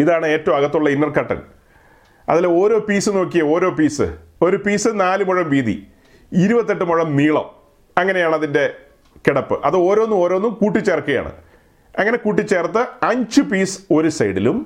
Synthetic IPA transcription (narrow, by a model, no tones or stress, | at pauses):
iðaːɳɨe̞ːtːɐwmɐɣɐt̪ːuɭːɐinːɐrkɐʈːɐ̰n | ɐ̰ðilo̞ːɾo̞ːpiːsɨno̞ːk̬ːijɐo̞ːɾo̞ːpiːsɨ̰o̞ɾupiːsɨnaːlɨmoɻɐmʋiːðḭ | iɾubɐt̪ːe̞ʈːɨmoɻɐmniːɭɐ̰m | ɐŋːɐne̞jaːɳɐðinde̞ | keɽɐpːɨʔɐðɨo̞ːɾo̞ːnːumo̞ːɾo̞ːnːumkuːʈːit͡ɕːeːrkɨɣɐja̰ːɳɨ̰ | ɐŋːɐne̞kuːʈ̬ːit͡ɕːe̞ːrt̪ːɨɐɲd͡ʑɨpiːsɨ̥o̞ɾusɐjɽḭlum